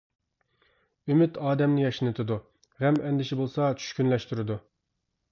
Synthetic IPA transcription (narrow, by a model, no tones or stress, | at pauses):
ymyt̪ʰɑːd̪ɛmnɪjɑʃinɨt̪ʰɨd̪u | ʁɛmɛnd̪ɪʃibolˠsɑt͡ʃʰy̥ʃkʲynlɛʃt̪yɾɪd̪u